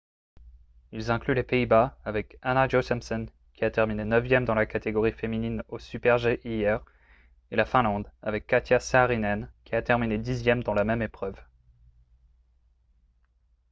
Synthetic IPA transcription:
ilzɛ̃klylepeibaavɛkanaʒosɛmsɔn | kʲiat̪ɛʁminenœvjɛmd̪ɑ̃lakat̪eɡɔʁifemininosypɛʁʒeʔijɛʁ | elafɛ̃lɑ̃d̪avɛkːat̪ʰjasaʁinɛnkʲiat̪ɛʁmined̪izjɛmd̪ɑ̃lamɛmepχœv

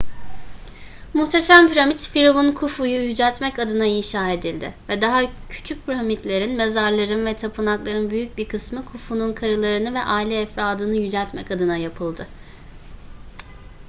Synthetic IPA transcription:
muxt̪ʰeʃampiɾamit̪fiɾovunkʰufujujyd͡ʒɛlʲt̪mɛcad̪ɯnainʃaːe̞d̪ilʲd̪ɪ̰vɛd̪aɦacʰy̥t͡ʃʰyc̚pʰiɾamit̪lʲe̞ɾinmezaɾlˠaɾɯnvɛt̪ʰapʰɯnaklˠaɾɯnbyjyc̚biɾkʰɯsmɯkʰufununkʰaɾɯlˠaɾɯnɯvɛʔaːilʲɛːfɾaːd̪ɯnɯjyd͡ʒɛlʲt̪mɛ̰cad̪ɯnajapʰɯlˠd̪ɯ

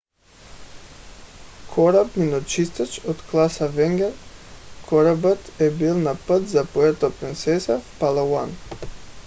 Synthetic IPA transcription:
kʰɔɾabminɔt͡ʃist̪at͡ʃɔt̪klˠasavɛŋɡɛɾkʰɔɾabət̪ɛbilˠnapət̪zapɔɛt̪ɔpɾint̪sɛsafpalˠawan

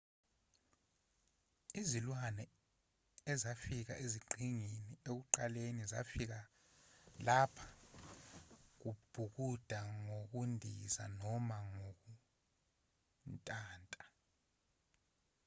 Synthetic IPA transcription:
izilwanɛ | ɛzafik̬a̰ʔeziɡ͡ǃʱiŋiniek̬uǃaleniza̰fik̬a | lapʰḁ | k̬ub̥ʱuk̬ud̥ʱaŋok̬undʱiza̰nɔmaŋok̬u | ntʼaːntʼḁ

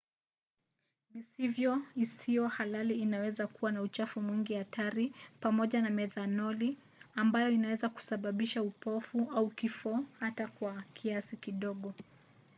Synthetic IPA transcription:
misivjɔisiɔhalaliːnawɛzakuwanaut͡ʃafumwiŋɡiatʰaɾipamɔʄanamɛðanɔli | ambajɔinawɛzaku̥saɓaɓiʃaupɔfuʔaukifɔhatakwakʰiasikiɗɔɠɔ

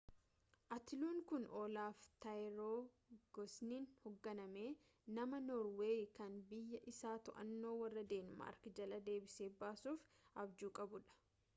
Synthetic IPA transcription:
ʔɐt̪ɪluːŋkʊnoːlaːft̪ɐjɾoː | ɡ̥ɔsniːnhɔɡːɐnɐme̞ː | nɐmɐnɔːɾweːjkɐnbɪjːɐʔɪsaːt̪ɔʔɐ̰nːo̞ːwɐrːɐd̪e̞ːnma̰ːɾkd͡ʒɐlɐd̪e̞ːbɪse̞ːbaːsuːfʔɐbd͡ʒuːkʼɐbʊᶑɐ̥

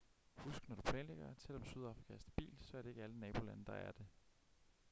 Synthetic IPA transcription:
husɡ̥nɒd̥upʰlɛ̰ːnleɡ̥ɐsʰel̰ɒ̽msyð̞ˠɑ̈fʁikʰæɐsd̥eb̥ḭːlsɒ̽æɐɾ̥ee̝ɡ̥əælənɛːb̥o̝lænəd̥ɑ̈æɐd̥e̝

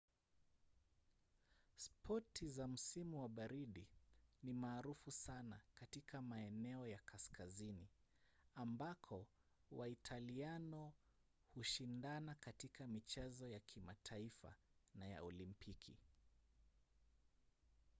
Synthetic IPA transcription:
spʰɔtʰizam̩simuwaɓaɾiɗinimaːɾufusanakatikʰamaɛnɛɔjakʰaskʰazini | ambakʰɔ | waitʰalianɔ | huʃindanakatikʰamit͡ʃɛzɔjakʰimatʰaifa̰naja̰ɔlimpʰikʰḭ

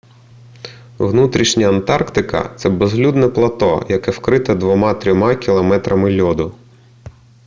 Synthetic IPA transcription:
ʋnut̪ɾʲiʃnʲɐːnt̪ɑrkt̪ɪkɐ̰t̪sɛbezlʲud̪nɛplˠɐt̪ɔ̰jɐkɛwkɾɪt̪ɛd̪ʋɔmɑt̪ɾʲɔmɑkʲilˠɐmɛt̪ɾʔɐmɪlʲɔd̪ʊ

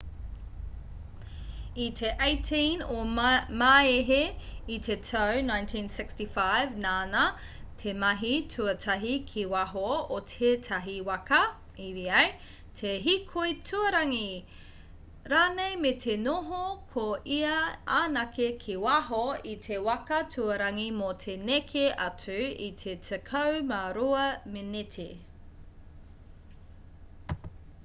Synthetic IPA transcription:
itʰeʔejtʰinomaeɦeitʰetʰɐwnãj̃ntʰĩnsɪkstifajvnaːnɐ | tʰemɐɦitʰuɐtʰɐɦikʰiwɐɦootʰetʰɐɦiwɐkɐ | iɾiɐj | tʰeɦikʰojtʰuɐɾɐŋi | ɾaːnejmetʰenoɦokʰoʔiɐaːnɐkekʰiwɐɦoitʰewɐkɐtʰuɐɾɐŋimotʰenekʰeʔɐt͡sʉḭtʰetʰekʰɐwmaɾuɐmenetʰe

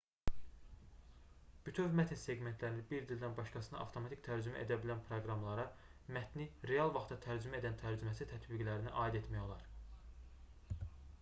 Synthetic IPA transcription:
b̥yt̪ʰyvmæt̪ʰinse̞ɡme̞nt̪ʰlæɾinibiɾd̪ild̪ænbɑʃkɑsɯnɑ̰ɑ̰ft̪ʰomɑt̪ʰikʲt̪ʰæɾd͡ʒymæ̰ʔe̞d̪æbilænpʰɾoɡɾɑmlˠɑɾɑ | mæt̪niɾe̞ɑlˠvɑχt̪ɑt̪ʰæɾd͡ʒymæe̞d̪ænt̪ʰæɾd͡ʒymæsit̪ʰæt̪biɡlæɾiniʔɑːid̪et̪mæjolˠɑɾ

